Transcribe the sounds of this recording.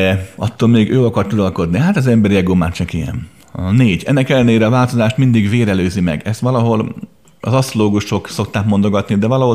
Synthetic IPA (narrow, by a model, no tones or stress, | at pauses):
ɛɒt̪ːoːlmeːɡøːɒkɒrt̪uɾɒlko̞d̪niɦat̪ɒzɛmbɛɾiɛɡoːmaːt͡ʃɒkijɛ̰n | ɒneːɟɛ̰nːɛkɛlːɛneːɾɛɒvaːlt̪o̞zaːʃt̪mind̪iɡveːɾɛløːzimɛ̰ɡɛst̪ʋɒlɒɦo̞l | ɒ̰zɒsoloːɡuʃo̞kso̞k̚t̪aːkmo̞nd̪o̞ɡɒt̪nid̪ɛvɒlɒɦo